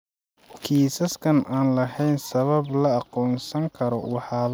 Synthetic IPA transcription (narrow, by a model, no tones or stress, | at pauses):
kʰiːsɐskʰɐnaːnlɐɦɛjnsɐβɐblɐːqɔːnsɐŋkʰɐɾɔwɑħɑːl